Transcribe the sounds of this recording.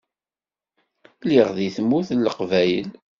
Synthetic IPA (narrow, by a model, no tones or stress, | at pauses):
liʁðiθəmːuθlːəqvæjəl